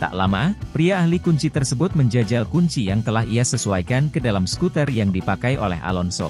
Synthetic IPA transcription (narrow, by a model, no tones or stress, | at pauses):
t̪a̰ʔla̰mapɾiaːhlikuɲt͡ʃit̪ərsəbʊt̪̚məɲd͡ʒad͡ʒalkuɲt͡ʃijaŋt̪əlaɦiasəsuajkankədalamskut̪ərjaŋdipakajʔo̰lɛ̰ɦa̰lɔnsɔ̰